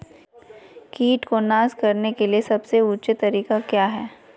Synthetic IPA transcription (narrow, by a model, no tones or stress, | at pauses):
kiːʈkonaːskɐɾnekeliesɐbseuːt͡ʃet̪ɐɾiːkakjaːɦɛː